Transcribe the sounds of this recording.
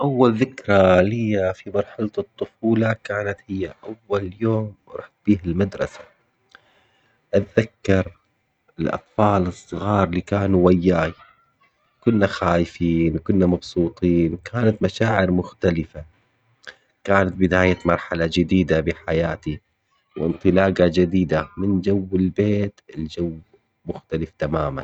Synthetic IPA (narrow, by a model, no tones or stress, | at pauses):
ʔawːalðɪkɾˤɑlɪjːafimɑɾˤħalt̪ɨt̪ˤːʊfuːlɑkaːnat̪hɪjːaʔawːaljoːmɾɑħbiːhalmad̪ɾˤɑsḁ | ʔat̪ðakːɑɾˤ | ɪlʔɑ̰t̪ˤfɑːlɨsˤːɨɣɑːɾˤliːkaːnuwajːaːj | kʊnːaxaːjɪfiːnwkʊnːamɑbsˤuːt̪ˤiːnwkʰaːnat̪maʃaːʕɪɾmʊxt̪alɪfa | kaːnat̪̚bɪd̪aːjamɑɾˤħalad͡ʒɪd̪iːd̪abɪħajaːt̪i | wʔɪ̰nt̪ˤɨlɑːɡad͡ʒad̪iːd̪amɪnd͡ʒawːɪlbeːt̪ɪld͡ʒawː | mʊxt̪alɪft̪amaːma̰n